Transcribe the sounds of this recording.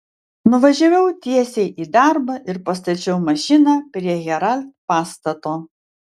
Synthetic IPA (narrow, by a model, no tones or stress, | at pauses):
nʊʋɐʒʲɛʋʲɛʊt̪ʲiɛsʲeɪʔiːd̪ɑˑɾbɐʔɪɾpɐst̪ɐt͡ʃʲɛʊmɐʃʲɪnɑːpʲɾʲiɛɣʲɛɾɐlʲt̪̚pɑːst̪ɐt̪oː